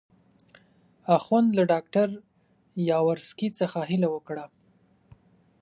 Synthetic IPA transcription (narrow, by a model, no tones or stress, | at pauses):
axwand̪laɖɑk̚ʈaɾ | jɑwaɾskit͡səxaɦɪlawəkɽa